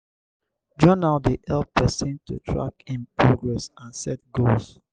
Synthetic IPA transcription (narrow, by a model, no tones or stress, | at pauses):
d͡ʒɔnaldeʔɛlp̚pʰɛsĩntṵtʰɹa̰kĩnpʰɹɔɡɹɛsãnsɛt̚ɡols